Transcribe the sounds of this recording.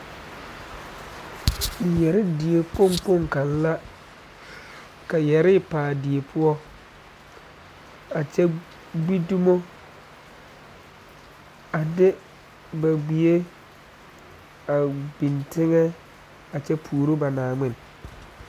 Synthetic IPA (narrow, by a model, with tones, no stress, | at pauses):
jɛ˨ɾɪ˦di˨e˨po˦˨ŋpo˦˨ŋka˨n˦la˦ | ka˨jɛ˨ɾɪ˦paː˨dɪ˨e˨pʰʊ˦ɔ˦ | a˨t͡ʃɛ˦ | ɡ͡bi˦du˦mo˦ | a˨dɪ˦ | ba˨ɡ͡bi˨e˦ | a˨bi˨ntɪ˦ŋɛ˦ | a˨t͡ʃɛ˦pʰuː˨ɾo˦ba˨naː˨ŋ͡mɪ˦n˨